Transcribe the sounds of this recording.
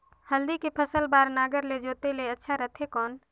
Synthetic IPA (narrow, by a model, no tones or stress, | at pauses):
həld̪ikepʰəsəlbaːɾnaːɡəɾled͡ʒoːt̪eleətːʃʰaɾət̪ʰekɔːn